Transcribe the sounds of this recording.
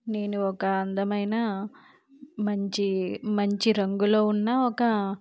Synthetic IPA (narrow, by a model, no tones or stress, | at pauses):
ne̞ːnuɔkɐːnd̪ɐmɐjnaː | mɐɲt͡ʃimɐɲt͡ʃiɾɐŋɡulo̞ːunːaːɔkɐ